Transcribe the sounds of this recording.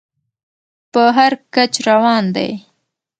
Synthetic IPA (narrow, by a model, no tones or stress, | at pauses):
pəɦaɾkat͡ʃɾawɑnd̪a̰j